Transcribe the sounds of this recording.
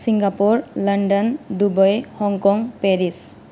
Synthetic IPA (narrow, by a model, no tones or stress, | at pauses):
siŋɡapuɹlʌɳɖʌnd̪ubɔjhɔŋkɔŋpeɾis